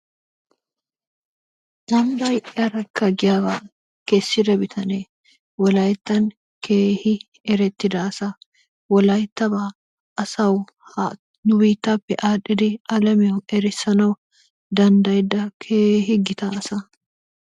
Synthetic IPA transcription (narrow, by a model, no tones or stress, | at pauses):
ʔɐmbɐjʔɪɐɾɐkːɐɡɪjabaː | kesːɪdɐbɪt̪ʰɐne | wɔlɐjt̪ːɐŋ | kʰeːhɪ | ɛɾɛt̪ːɪd̪aːsɐ | wɔlɐjt̪ːɐbaː | ʔɐsɐw | h | nʊbiːt̪ːapːɛʔaːᶑɪd̪ɪɐlɐmɛwʊɛɾɪsːɐnɐw | d̪ɐnd̪ɐjd̪ɐkʰeːɦɪɡɪt̪aːsɐ